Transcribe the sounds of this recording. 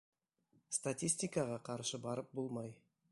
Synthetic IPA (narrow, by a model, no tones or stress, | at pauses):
st̪at̪ʲisʲt̪ʲijkɑʁɑqʰɑɾʃəbɑɾəp̚bolˠmɑj